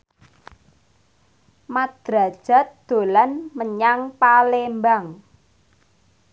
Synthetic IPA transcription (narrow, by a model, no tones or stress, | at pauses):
mad̪̥ɾa̤d̥ʒ̥a̤t̪̚d̪̥o̤lanməɲaŋpalembaŋ